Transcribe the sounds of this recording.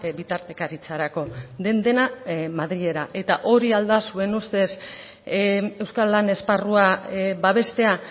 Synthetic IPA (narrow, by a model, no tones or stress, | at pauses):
bit̪aɾt̪e̞kaɾit͡saɾako̞d̪e̞nd̪e̞namaðɾiʎe̞ɾaʔe̞t̪aʔo̞ɾiald̪asue̞nust̪e̞s | e̞wskalːane̞sparuabaβ̞e̞st̪e̞a